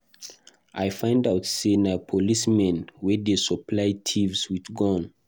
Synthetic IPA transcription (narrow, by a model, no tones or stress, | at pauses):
ʔajfãj̃ndawtsenapʰɔlismɛ̃nwɛdesɔplajtʰivswidɡɔ̃n